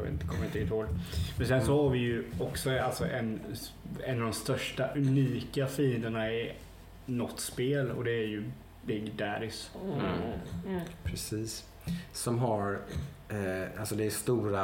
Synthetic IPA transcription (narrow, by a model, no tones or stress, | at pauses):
ɪ̰nt̪kʰɔmːəɾɪnt̪ɪɡːt̪hoːlmɛnsɛnsɔhaɾvɪjɵɔksɔalt̪sɔʔɛn | ɛnːad̪ɔmst̪œʂʈaʔʉniːkafiːənd̪əɳaɛɾ | nɔt̪ːspeːlɔ̰d̪ɛːɾjɵ | bɪɡd̪æɾɪs | pʰɾɛsiːsː | ɔmɦaɾ | alsɔd̪ɛæst̪uːɾa